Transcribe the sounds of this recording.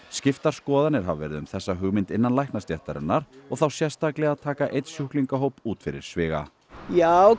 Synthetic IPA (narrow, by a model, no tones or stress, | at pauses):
scɪft̪aɾ̥skɔːðanɪɾ̥ɦavvɛ̰ɾɪðʏmθɛsːaɦʏɣmɪnt̪ɪnːanlajhknast̪jɛht̪aɾʏ̰nːaɾ̥ɔɣθawsjɛr̥st̪aklɛɣaðt̪ʰaːkaʔejt̪sjuhkliŋkaɦoːwpuːt̪fɪɾɪ̰ɾ̥svɪːɣa̰ | jaːw